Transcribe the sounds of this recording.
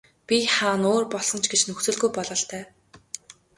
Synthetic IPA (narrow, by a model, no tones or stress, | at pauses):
pʲiχaːnoːrpɔɮsɞ̆n̥t͡ɕʰɡet͡ɕnɵxt͡sɵ̆ɮɣujpɔɮɞ̆ɬt̪æː